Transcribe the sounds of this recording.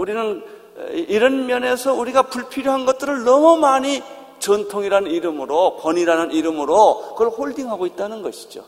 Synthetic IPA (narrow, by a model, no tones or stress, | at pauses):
uɾinɯn | iɾɯnmjʌne̞sʰʌuɾiɡapʰuɭpʰiɾjoɦanɡʌt̚t͈ɯɾɯɭnʌmʌmaɲi | t͡ɕʌntʰoŋiɾanɯniɾɯmɯɾokwʌniɾanɯniɾɯmɯɾokɯɡʌɭɸoɭdiŋɦaɡoit̚t͈anɯnɡʌɕʰi̥d͡ʑo̰